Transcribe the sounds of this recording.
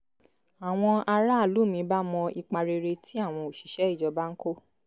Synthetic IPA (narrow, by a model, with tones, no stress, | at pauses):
a˨w̃ɔ̃˧a˧ɾa˦˨lu˨˦˨mĩ˧˦ba˦mɔ̃˧i˧k͡pa˧ɾe˧ɾe˧ti˦a˦˨w̃ɔ̃˧o˨ʃi̥˨ʃɛ˦i˦˨d͡ʒɔ˧˦ba˦ŋ̩˦ko˦˨